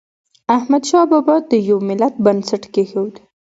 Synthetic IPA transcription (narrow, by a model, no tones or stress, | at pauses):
ahmad̪ʃɑbɑbɑd̪əjawmɪlat̪̚bansaʈkexewd̪i